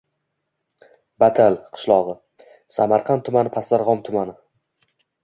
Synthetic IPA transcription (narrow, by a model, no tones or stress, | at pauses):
bat̪ʰalqʰɨ̥ʃlˠɒʁɨ | samaɾqʰɑnt̪ʰʊmanɪpʰaslaɾʁɒmt̪ʰʊmanɪ